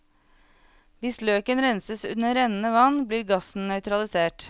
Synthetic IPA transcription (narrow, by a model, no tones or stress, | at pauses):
ʋɪsløːkənɾɛnsəsʉ̰nəɾɛnnəʋɑnbliːɾɡɑsn̩nœʏt̪ɾɑlɪseːʈ